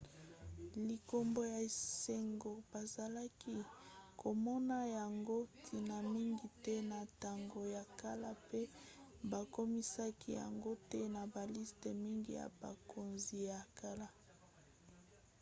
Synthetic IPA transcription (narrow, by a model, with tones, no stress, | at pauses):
li˨ko˨mbo˦ja˨se˨ŋɡo˨ba˨za˨la˦ki˦kʰo˨mɔ˦na˦ja˨ŋɡo˦tʰi˨na˨mi˦ŋɡi˨tɛ˦na˨ta˨ŋɡo˨ja˨ka˦la˦pe˦ba˨ko˦mi˦sa˦kʰi˦ja̰˨ŋɡo˦tɛ˦na˨ba˨li˦ste˨mi˦ŋɡḭ˦ja̰˨ba̰˨ko˨nzi˨ja˨ka˦la˦